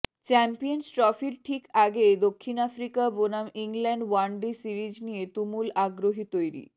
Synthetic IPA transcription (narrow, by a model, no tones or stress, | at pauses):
t͡ɕɛmpijonsʈɾɔfiɾʈʰikaɡed̪okʰːinafɾikabonamiŋlɛɳɖwaɳɖisiɾid͡ʑnijet̪umulaɡɾoɦit̪ojɾḭ